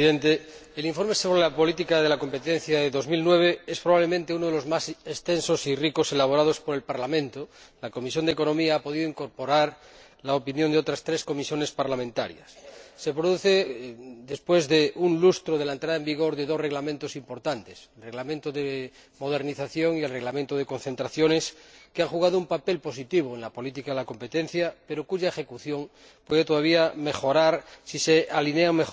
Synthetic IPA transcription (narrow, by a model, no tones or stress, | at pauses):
ðent̪eeliɱfo̞ɾmeso̞βɾelapo̞lit̪̬ikaðe̞lako̞mpe̞t̪en̟θjaðeðo̞zmilnwe̞β̞e̞espɾoβaβle̞mẽnt̪eunoð̞elo̞zmasest̪e̞nso̞siriko̞se̞laβ̞oɾað̞o̞spoɾelpaɾlamẽnt̪olakomisjo̞nd̪eko̞no̞miaapo̞ðiðoiŋko̞ɾpo̞ɾaɾ | laopinjo̞nd̪o̞t̪ɾast̪ɾe̞sko̞misjo̞ne̞spaɾlamẽnt̪a̰ɾj̰a̰sːe̞pɾoðuθe̞d̪e̞spwe̞zðeʔunlust̪ɾoðelaent̪ɾaðaembiɣ̞o̞ɾðeðo̞sreɣlamẽnt̪osimpo̞ɾt̪ant̪eselreɣlamẽnt̪oðe | mo̞ð̞e̞ɾniθaθjo̞ŋielreɣlamẽnt̪oð̞e̞ko̞nθe̞nt̪ɾaθjone̞skeaŋxuɣað̞oumpape̞lpo̞s̬it̪iβ̞oenlapo̞lit̪̬ikaðelako̞mpe̞t̪en̟θjape̞ɾokuʝaexe̞kuθjo̞ŋ | pweð̞et̪oð̞aβiame̞xo̞ɾaɾsisealineame